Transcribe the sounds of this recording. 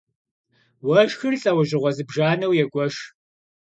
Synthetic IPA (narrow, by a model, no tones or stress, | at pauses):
wɐʒxɨrɬʼɐwɐʑɪʁʷɔzɨbʒaːnɐwjɛɡʷʼɔʃ